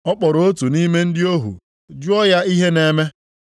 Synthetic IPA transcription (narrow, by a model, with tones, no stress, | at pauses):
ɔ˦k͡pɔ˨ɾo˨o˦tu˨ni˦me˦n̩˦dɪ˦o˦ɦṵ˨ | d͡ʒʊ˦ɔ˦ja˦i˦ɦe˦ne˨me˦